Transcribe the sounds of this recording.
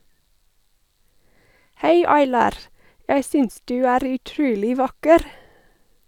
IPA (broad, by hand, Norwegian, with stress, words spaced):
ˈhæɪ ɑɪˈlɑːɾ ˈjæɪ ˈsʏns ˈdʉː ˈæːɾ ʉˈtɾʉːlɪ ˈʋɑkəɾ